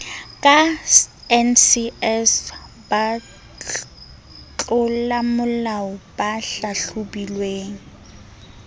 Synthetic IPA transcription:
kʼa | ɛnsiɛs | ba | t͡ɬʼʊllamʊlaɔbaɬaɬʊbilweːŋ̩

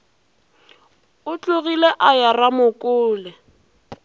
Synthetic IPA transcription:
ʊt͡ɬʼʊɣileʔajaramʊkʼʊːlɛ

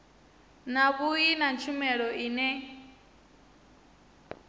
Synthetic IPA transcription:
naβuinant͡ʃʰumɛɺɔʔiːnɛ

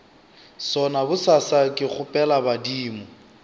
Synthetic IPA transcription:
sɔnabʊsasakʼɪχʊpʼɛlabadiːmɔ

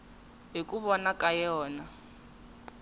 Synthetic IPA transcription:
ɦikʼuβɔnakʼajɔːna

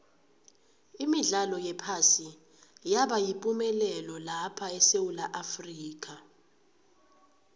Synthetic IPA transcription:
imiɮalɔjɛpʰasi | jaɓajipʼumɛlɛlɔlapʰaɛsewulaʔafriːk̬ʼa

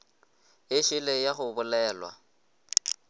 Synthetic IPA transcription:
ɪʃɪlejaχʊbʊlɛːlwa̰

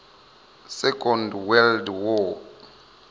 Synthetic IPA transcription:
sɛkʼɔndwɛldwɔ

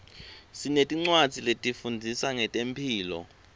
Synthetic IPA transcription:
sinetʼiŋ͡ǀwad̥z̥ʱiletʼifundʱisaŋɛtʼempʰiːlɔ̰

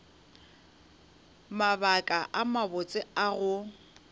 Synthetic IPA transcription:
mabakʼaʔamabʊt͡sʼɪaɣʊ

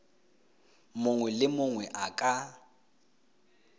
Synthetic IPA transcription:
mʊŋwɛlɪmʊŋwɛʔakʼa

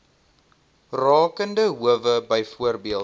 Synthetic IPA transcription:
rɑːkəndəɦuəvəbəjfuərbiəlˠ

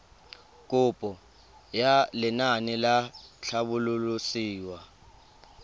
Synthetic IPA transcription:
k̬ʼʊpʼɔ | jalɪnanɪlaɬʰaɓʊlulusiːwa

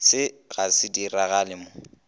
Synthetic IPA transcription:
sɪɣasɪdiraɣalɪmʊ

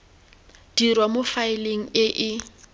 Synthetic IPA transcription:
d̥irwamofaɪleŋ̩ɪʔɪ

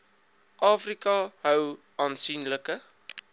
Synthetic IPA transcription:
ʔɑːfrikɐɦœw | ɑːnsinləkə

